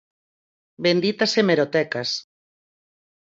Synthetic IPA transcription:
bend̪it̪asemeɾot̪ɛkas

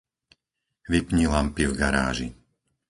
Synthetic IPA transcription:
ʋipɲilampivɡaɾa̰ːʒi

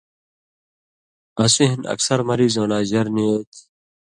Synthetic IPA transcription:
ɐsiɦinɐ̰ksɐɾmɐɾiːzoːnaːʑɐɾneːt̪ʰ

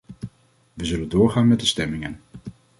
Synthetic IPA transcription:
ʋəzɵləndʊːɹχaːnmɛt̚dəstɛmɪŋən

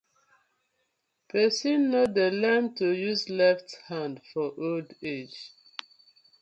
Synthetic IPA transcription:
pʰɛsĩnːodəlɛ̃mtujuzlɛfthãndfɔʔolded͡ʒ

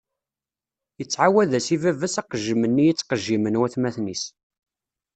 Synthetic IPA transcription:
jət͡sːʕawæðæsivævæsɑqəʒːəmənːijit͡sːqəʒːimənwæθmæθnis

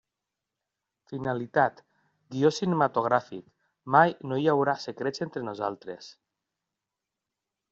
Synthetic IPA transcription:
finalit̪at̪ | ɡiosinemat̪oɣ̞ɾafḭk | majnojawɾasekɾesent̪ɾenoza̰lˠt̪ɾes

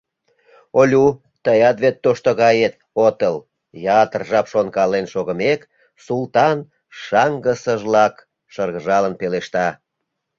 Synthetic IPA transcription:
olʲu | t̪əjɑt̪βet̪ːoʃt̪oɣɑjet̪ | ot̪əl | jɑt̪ərʒɑpʃonkɑlenʃoɣəmek | sult̪ɑn | ʃɑŋɡəsəʒlɑk | ʃərɣəʒɑlənpeleʃt̪ɑ

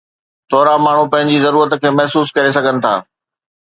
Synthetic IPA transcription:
t̪ʰɔːɾamaːɳ̤upɐ̃ɦɪ̃ɲd͡ʑizɐɾuːɾət̪kʰeːmɛɦsuːskɐɾes̬ɐɡʱənɪ̆t̪ʰa̰ː

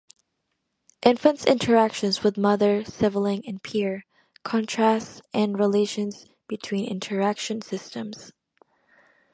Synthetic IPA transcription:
ʔɪ̃ɱfə̃ntsɪ̰̃ntʰə˞ækʃɨ̃nzwɨðmʌðə˞sɪvl̩ˠɪ̃ŋɨ̃npʰiɹ | kʰɑ̃ntʰɹ̥æstsʔɨ̃nɹileɪʃɨ̃nz̥ | b̥ɨtʰw̥ĩnɪ̰̃ntʰə˞ækʃɨ̃nsɪstə̃mz̥

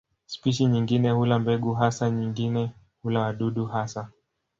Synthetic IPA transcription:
spiʃiɲiŋɡinɛhulambɛɡuɦasaɲiŋɡinɛ | hulawaɗuɗuhasa

